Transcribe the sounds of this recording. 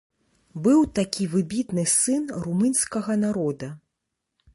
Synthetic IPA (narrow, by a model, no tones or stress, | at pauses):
bɨwt̪akʲivɨbʲit̪nɨsɨnrumɨnsʲkɐɣɐnaɾɔd̪ɐ